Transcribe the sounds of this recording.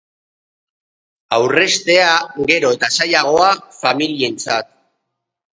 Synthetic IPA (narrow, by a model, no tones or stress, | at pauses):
awre̞st̪e̞aɣe̞ɾo̞e̞t̪asajaɣ̞o̞afamilient͡sat̪̚